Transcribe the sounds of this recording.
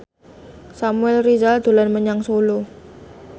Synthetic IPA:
samuɛlrizald̪̥o̤lanməɲaŋsolo

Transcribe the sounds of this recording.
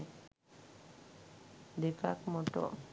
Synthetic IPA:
d̪eka̰kmɔʈɔ̰

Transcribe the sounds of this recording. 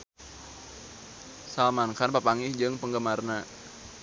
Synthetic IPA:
salmankanpapaŋihd͡ʒɨŋpəŋɡəmarna

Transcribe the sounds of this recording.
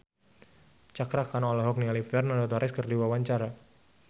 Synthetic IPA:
t͡ʃakɾakanɔɔlɔɦɔk̚nialifɛrnadɔt̪ɔɾɛskərdiwawaɲt͡ʃaɾa

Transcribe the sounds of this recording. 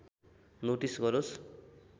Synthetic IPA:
noʈisɡʌɾos

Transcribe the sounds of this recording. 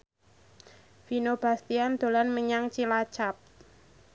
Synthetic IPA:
finob̥a̤st̪iand̪̥o̤lanməɲaŋt͡ʃilat͡ʃap̚

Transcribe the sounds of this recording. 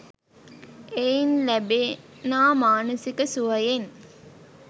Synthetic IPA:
ejinlæbenaːmaːnəsikəsuʋɐjen

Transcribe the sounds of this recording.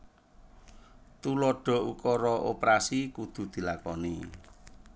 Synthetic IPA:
t̪ulɔɖ̥ɔ̤ukɔɾɔʔopɾasikud̪̥ṳd̪̥i̤lakɔni

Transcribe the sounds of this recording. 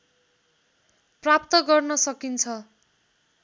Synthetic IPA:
prap̚t̪ʌɡʌrnʌsʌkint͡sʰʌ

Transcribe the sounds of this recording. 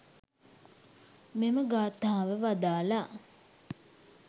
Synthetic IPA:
meməɡaːt̪aːʋəʋad̪aːla

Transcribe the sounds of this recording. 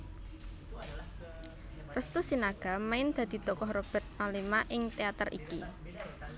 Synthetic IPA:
rəst̪usinaɡ̥a̤maɪnd̪̥a̤d̪̥i̤d̪̥ɔkɔhrob̥ɛ̤rt̪̚malimaʔɪŋt̪eat̪ərʔḭki

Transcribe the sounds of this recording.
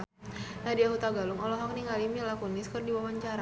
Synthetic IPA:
nadiahut̪aɡalʊŋɔlɔɦɔk̚niŋalimilakuniskɨrdiwawaɲt͡ʃaɾa

